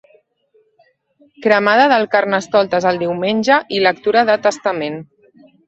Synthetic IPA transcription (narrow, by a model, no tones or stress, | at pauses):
kɾəmaðəðəlˠkaɾnəst̪ɔlˠt̪ezəlˠd̪iwmenʲʒəʔilək̚t̪uɾəðət̪əst̪əmen